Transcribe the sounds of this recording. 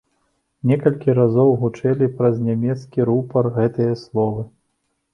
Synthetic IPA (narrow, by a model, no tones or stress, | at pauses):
nʲɛkɐlʲkʲiɾazɔwɣut͡ʂɛlʲipɾɐznʲamʲɛt̪skʲiɾupɐrɣɛt̪ɨjɐslˠɔvɨ